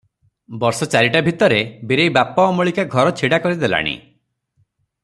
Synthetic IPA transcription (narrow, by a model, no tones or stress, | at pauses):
bɔɾsɔt͡ʃaɾiʈabʱit̪ɔɾebiɾejbapɔːmɔɭikaɡʱɔɾɔt͡ʃʰiɽakɔɾid̪ela̰ɽ̃ḭ